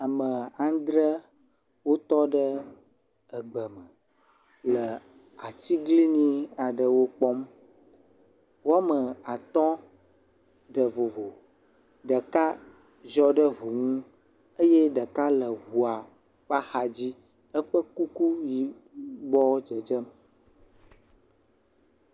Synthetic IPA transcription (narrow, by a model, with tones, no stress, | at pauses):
a˨mə˨ã˨˦nd̪ɾə˦ | wo˦t̪ɔ˦ɖə˦ | ə˨ɡ͡bə˨mə˨ | lə˨ | a˨t̪i˦ɡli˦ɲĩ˦a˨ɖə˨wo˦k͡pɔ˦m | wo˦a˦mə˨a˨t̪ɔ̃˦ | ɖə˨vo˨vo˨ | ɖə˨ka˦ | ʒɔ˦ɖə˦vo˨ŋũ˦ | ə˦jɛ˦ɖə˨ka˦lə˨ɣu˨a˨ | ɸa˦xa˨d͡ʑi˦ | ə˦ɸə˦ku˦ku˦ji˨ | bɔ˦d͡ʒə˨d͡ʒə˦m